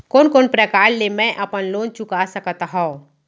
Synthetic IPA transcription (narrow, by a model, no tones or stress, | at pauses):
koːnkoːnpɾəkaːɾlemɛ̃ʔəpənloːnt͡ʃʊkasəkət̪ɦõː